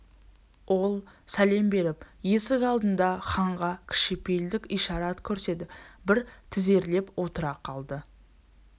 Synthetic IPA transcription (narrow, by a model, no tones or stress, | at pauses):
wʔo̞lˠ | sæle̞mbe̞ɾɪpje̞sɪkɑlˠd̪ənd̪ɑχɑɴʁɑkʲʰɪ̥ʃɪpe̞jld̪ɪkʲijʃɑɾɑt̪kʲʰɵɾse̞d̪ɪbɪɾt̪ʰɪze̞ɾle̞pwo̞t̪əɾɑqʰɑlˠd̪ə